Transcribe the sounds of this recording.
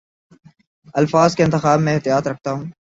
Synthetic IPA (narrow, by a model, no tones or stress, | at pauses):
ɐlfaːzkeɪnt̪ɪxaːbmɛ̃ːɪɦt̪ijaːt̪ɾɐk̚ʰt̪aɦũː